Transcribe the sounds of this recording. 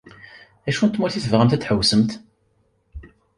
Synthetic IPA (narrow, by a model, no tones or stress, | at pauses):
æʃunt̪muɾθiθəvʁəmt̪æt͡sːħəwsəmt̪